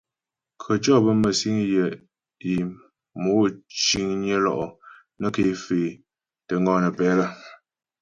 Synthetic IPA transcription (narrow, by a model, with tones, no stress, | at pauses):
kʰə˨t͡ʃɔ˦˨bə˦mə˨si˦ŋjə˨ | i˨ | moː˨˦t͡ʃi˦ŋɲjə˦lɔ̰˦˨ʔɔ˨ | nə˦ke˨˦fe˨ | tə˨ŋɡɔ˦nə˨pɛ˨˦lə˦